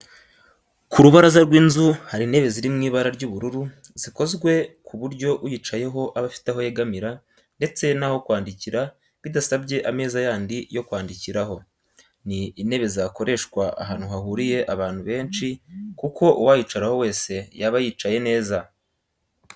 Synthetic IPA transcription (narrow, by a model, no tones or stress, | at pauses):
kʰuɾuβaɾazaɾɡwiːnzuhaɾine̞βe̞ziɾimŋiːβaɾaɾɟuːβuɾuɾu | ziko̞zɡwe̞kʰuβuɾɟo̞ʔujiːt͡ʃaje̞ɦo̞ʔaβafi̥teɦo̞jeɡamiɾa | nde̞t͡se̞naho̞kwaːndiciɾa | βidasabɟe̞ʔame̞ːzajaːndijo̞kwaːndiciɾaɦo̞ | niːne̞βe̞zako̞ɾʔe̞ʃkwaa̰ɦaːn̥huɦahuɾije̞ʔaβaːn̥huβe̞ːnt͡ʃikuko̞uwajiːt͡ʃaɾaho̞we̞ːse̞jaβajiːt͡ʃaje̞ne̞ːza